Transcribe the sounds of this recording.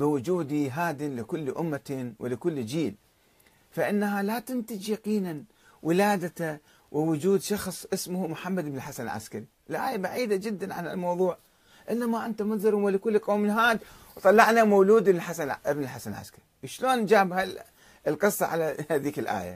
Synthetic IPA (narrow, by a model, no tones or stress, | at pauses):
bɪwʊd͡ʒuːd̪iɦaːd̪ɪnlɪkʊlːʔʊ̰mːat̪wʔɪ̰lɪkʊlːd͡ʒiːl | faʔɪnːaɦalat̪ɪnt̪ɪd͡ʒjaqiːnan | wʔɪlaːd̪at̪a | wʔɪwʊd͡ʒuːd̪ʃɑxsˤʔɪsmʊhmʊħamːad̪ɪbnɪlħasanɪlʕa̰skaɾiʔɪlʔa̰ːjabaʕiːd̪ad͡ʒɪd̪ːanʕa̰na̰lmɑwðˤuːʕ | ʔɪlːamaʔɪnt̪amʊnzˤɑɾwɪlɪkʊlːqoːmɪnɦaːd̪ | wt̪ˤɑlːɑʕnamawluːd̪ħasaʔɪbnɪlħasanlʕa̰skaɾiwʃloːnd͡ʒaːbɦa | ɪlqɨsˤːɑʕa̰laðiːkɪlʔa̰ːja̰